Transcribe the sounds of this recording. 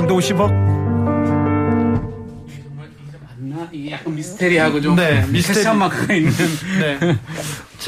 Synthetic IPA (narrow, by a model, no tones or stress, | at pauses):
ŋd̪ooɕʰibʌ | amanːaiɡejak͈anmisɯ̥tʰeɾiɦaɡod͡ʑone̞mistʰet͡ɕʰammak͈ʰainːɯnne̞ | t͡ɕ